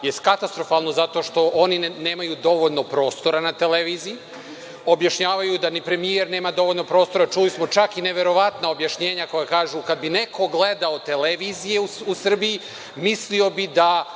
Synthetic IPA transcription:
jest̪kat̪ast̪ɾo̞falˠno̞zat̪o̞ʃt̪o̞ʔonine̞ːmajud̪o̞ʋoʎno̞pɾo̞ːst̪o̞ɾanat̪eleʋiːziji | o̞bjaʃɲaːʋajud̪anipɾe̞mijeɾneːmad̪o̞ʋoʎno̞pɾoːst̪o̞ɾat͡ʃulismo̞t͡ʃakine̞ʋe̞ɾo̞ʋat̪naobjaʃɲe̞ːɲako̞jakaːʒukad̪̚binekʰo̞ɡled̪aot̪e̞leʋiːzijeuusr̩biji | mislio̞bid̪a

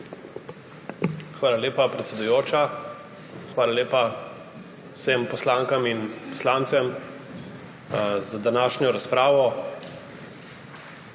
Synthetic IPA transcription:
xʋaːlaleːpapɾɛt̪sʲɛd̪ujoːt͡ʃa | xʋaːlaleːpa | wsempɔslaːŋkaminpɔ̥slaːnt̪sɛm | zad̪anaːʃnjɔɾaspɾaːʋɔ

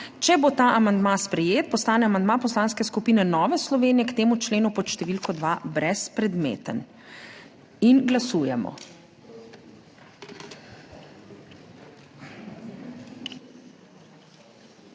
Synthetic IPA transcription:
t͡ʃɛbot̪aːʔamand̪maspɾɛjeːt̪̚pɔst̪aːnɛamand̪mapɔslaːnskɛskupiːnɛnɔːʋɛslɔʋeːnijɛkt̪eːmut͡ʃleːnupɔʃt̪ɛʋilkɔd̪ʋabɾɛspɾɛd̪mḛːt̪ən | inɡlasuːjɛmɔ̰

